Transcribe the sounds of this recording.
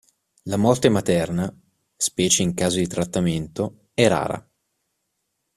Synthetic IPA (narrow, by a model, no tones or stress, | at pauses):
lamɔrt̪emat̪ɛrna | spɛːt͡ʃeiŋkaːzod̪it̪ɾat̪ːament̪o | ɛra̰ːɾa̰